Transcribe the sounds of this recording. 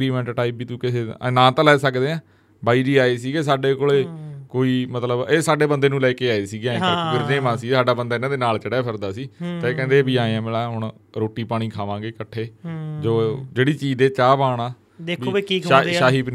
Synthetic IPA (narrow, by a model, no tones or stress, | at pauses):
ɾiːmɛ̃ɳʈʈaːiːpːiːt̪ũːkɪseːnãːt̪ãːlɛːsəkd̪eːãː | baːiːd͡ʒiːaːeːsiːɡeːsaːɖeːkoːleːkoːiːmət̪ləbeːsaːɖeːbənd̪eːnũːlɛːkeːaːeːsiːɡeãːkapɪɾd͡ʒẽːmãːsiːsaːɖaːbənd̪aːɪnãːd̪eːnaːlt͡ʃəɽɛːpʰɪɾd̪aːsiːt̪ãːeːkɛ̃ːnd̪eːbiːaːẽãːmɪlaːɦʊɳ | ɾoːʈːiːpaːɽ̃ĩːkʰaːʋãːɡeːkəʈʰːeːd͡ʒoːd͡ʒeːɽiːt͡ʃiːd̪eːt͡ʃaːpaːɳaː | d̪ekbʰaːaːɦiːb